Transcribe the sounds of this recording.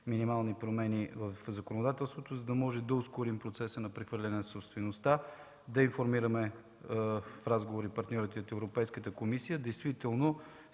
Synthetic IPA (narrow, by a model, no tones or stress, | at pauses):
minimalˠnipɾomɛnʲivəfzɐkonod̪at̪ɛlˠst̪vot̪ozɐd̪ɐmɔʒɛd̪ɐoskoɾimpɾot̪sɛsənɐpɾɛxvəɾlʲɛnɛsopst̪vɛnost̪a | d̪ɐinfoɾmiɾəmɛ | fɾazɡovoɾipɐɾt̪nʲɔɾit̪ɛot̪ɛvɾopɛjskət̪əkomisijəd̪ɛjst̪vit̪ɛlˠno